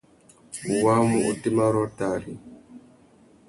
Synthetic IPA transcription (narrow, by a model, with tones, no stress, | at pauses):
wa˦mu˨ʔu˨ti˦ma˦ɾɔ˦ta˨ɾi˨